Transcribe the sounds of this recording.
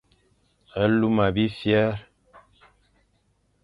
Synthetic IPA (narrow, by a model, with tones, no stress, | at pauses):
ə˦lu˦ma˨bi˦fjɛ˦ɾ